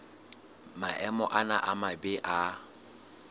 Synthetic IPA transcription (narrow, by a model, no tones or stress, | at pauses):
maʔɛmɔʔanaʔamabeʔa